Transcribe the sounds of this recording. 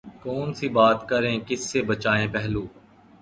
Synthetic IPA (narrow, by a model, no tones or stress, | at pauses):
kɔːnsibaːt̪kəɾẽkɪsːebət͡ʃaːẽːpɛɦluː